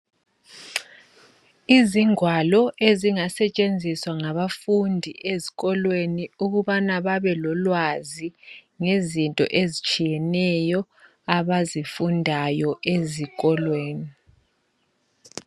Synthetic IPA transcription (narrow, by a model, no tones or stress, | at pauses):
iziŋwalɔʔeziŋasɛt͡ʃʼend͡zʱiswaŋaβafundʱiʔeziɣɔlweniuɣuβanaβaβɛlɔlwaziŋezintʼɔ̰ʔezit͡ʃʼijɛnɛjɔ | aβazifundʱajɔʔeziɣʼɔlweːni